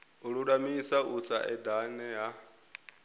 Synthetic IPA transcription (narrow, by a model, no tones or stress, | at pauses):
uɺuɺamisaut͡sʰa̰ʔɛd̪anɛja